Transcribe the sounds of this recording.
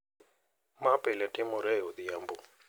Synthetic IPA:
mapɛlatimoɾɛjoðijambo

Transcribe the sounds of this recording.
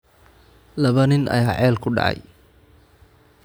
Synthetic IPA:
lɐβɐnɪnʔɐ̰jaːʕɛːlkʰʊɖɑ̰ʕɑ̰j

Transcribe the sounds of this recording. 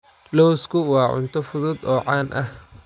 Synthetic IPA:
lɔwskʰʊwɑːʕʊ̰nt̪ʰɔfʊðʊd̪ɔːʕɑːnʔɐh

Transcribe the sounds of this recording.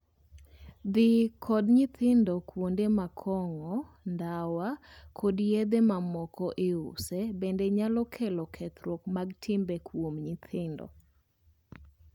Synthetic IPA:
d̪ɪkʰɔdɲɪt̪ɪndɔkwondemakʰɔŋɔ | ndawakʰodjed̪emamɔkɔʔɪʊ̰sɛbɛndɛɲalɔkʰɛlɔkʰɛt̪ɾwokmaɡtʰɪmbɛkwomɲɪt̪ʰɪndɔ̰

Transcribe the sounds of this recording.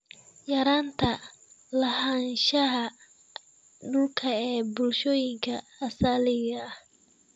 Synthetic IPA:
jɐɾaːnt̪ʰɐlɐhɐnʃɐɦɐ | ɖʊlkʰɐɛːbʊlʃɔːjɪŋkʰɐːsalɪɣɐh

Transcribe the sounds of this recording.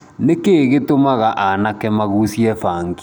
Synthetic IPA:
nekeɣetomaɣaʔanakɛmaɣusiɛfaːŋɡi

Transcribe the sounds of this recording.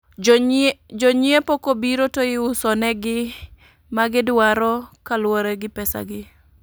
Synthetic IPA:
d͡ʒɔɲɪepokobiɾotoɪʊsɔnɛɡɪ | maɡɪdwaɾɔkalwoɾeɡɪpɛsa̰ɡɪ

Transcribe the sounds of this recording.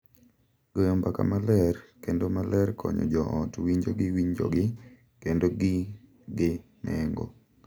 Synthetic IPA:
ɡ̥ojombaka̰malɛrkendomalɛrkʰɔɲɔ̰d͡ʒɔʔɔtwiɲd͡ʒoɡɪwiɲd͡ʒo̰ɡɪ | kendoɡɪ | ɡɪ | nɛŋɡo̰

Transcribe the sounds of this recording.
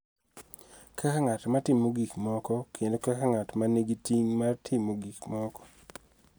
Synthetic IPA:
kʰakaŋatmatɪmoɡikmɔkɔkʰendokakaŋatmaneɡitiŋmartʰɪmoɡikmɔkɔ̥

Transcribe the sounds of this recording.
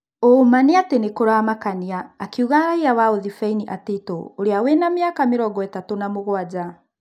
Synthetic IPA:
omaniatenekoɾaamakaniaːkiuɣaɾaiawaoðifainiʔatetooɾeawenameakameɾɔɡɔɛtatonamoɣwad͡ʑa

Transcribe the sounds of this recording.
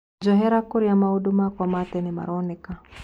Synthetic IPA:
d͡ʒɔɦɛɾakuɾijamahuɗumakwamatɛnima̰ɾɔnika

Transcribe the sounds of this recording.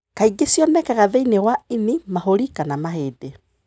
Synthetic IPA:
kaiɡesjɔnɛkaɣaðeinewainimaɦoɾikanamaheːde

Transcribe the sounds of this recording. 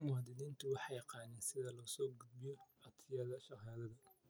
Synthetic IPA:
mʊɐd̪ɪðiːnt̪ʰʊwɑħɑjɑqɑːnɛːnsɪðɐlɔːsɔːɡʊd̪̚bɪjɔɑt̪ʰɪjɐðɐʃɑaːðɐðɐ

